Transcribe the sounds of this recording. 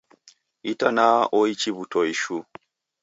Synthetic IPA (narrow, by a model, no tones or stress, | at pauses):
itanaɔit͡ʃiβutʰɔiʃu